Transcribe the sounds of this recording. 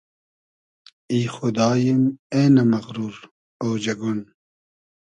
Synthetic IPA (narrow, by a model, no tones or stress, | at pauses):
iːxud̪ɑːjimeːnɐmɐɣɾuɾ | owd͡ʑɐɡun